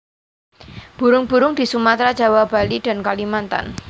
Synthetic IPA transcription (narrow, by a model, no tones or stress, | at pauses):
b̥ṳɾʊŋb̥ṳɾʊŋd̪̥i̤sumat̪ɾad͡ʒʒ̥a̤wab̥a̤lid̥a̤nkalimant̪a̰n